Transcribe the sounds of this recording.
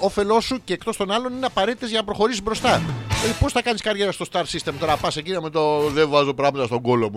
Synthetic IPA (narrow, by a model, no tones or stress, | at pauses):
o̞fe̞lo̞sːuce̞ːkt̪o̞st̪o̞nɐlo̞nine̞ɐpɐɾe̞t̪it̪ezʝɐnɐpɾo̞xo̞ɾisizbɾo̞st̪ɐepo̞sθɐkɐniskɐɾʝe̞ɾɐst̪o̞st̪ɐɾsist̪e̞mt̪o̞ɾɐpɐsecinɐmet̪oðevɐzopɾɐɣmɐt̪ɐst̪o̞ŋɡo̞lomu